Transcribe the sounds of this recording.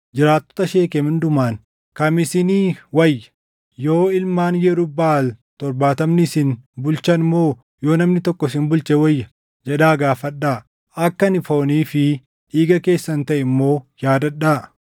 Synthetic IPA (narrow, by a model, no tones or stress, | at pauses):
d͡ʒɪɾaːt̪ːɔ̥t̪ɐʃe̞ːkemɪnd̪ʊmaːn | kɐmɪsɪniːwɐjːɐ̥ | jo̞ːɪlmaːnjɛɾʊbaːlt̪ɔɾbaːt̪ɐmnɪsɪnbʊlt͡ʃɐnɪmːo̞ː | jo̞ːnɐmnɪt̪ɔkːɔs̬ɪnbʊlt͡ʃɛwɐjːɐ | d͡ʒɛᶑaːɡaːfɐɗːaː | ɐkːɐnɪfoːniːfɪ | ᶑiːɡɐke̞ːsːɐnt̪ɐʔɛmːo̞ːjaːd̪ɐᶑːaː